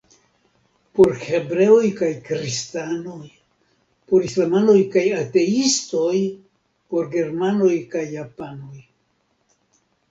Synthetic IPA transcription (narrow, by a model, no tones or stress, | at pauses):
po̞ɾhe̞bɾe̞ojkajkɾistano̞j | po̞ɾislamano̞jkajate̞isto̞j | po̞ɾɡe̞ɾmano̞jkajːapano̞j